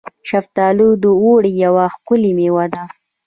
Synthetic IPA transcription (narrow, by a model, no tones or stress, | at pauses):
ʃaft̪ɑːlud̪əuɽijawaxkʊlimewad̪a